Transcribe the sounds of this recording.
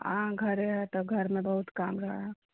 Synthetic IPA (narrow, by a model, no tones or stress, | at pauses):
ãɡʱəɾeɦɛt̪ɔɡʱəɾmẽbəɦut̪kamɾəa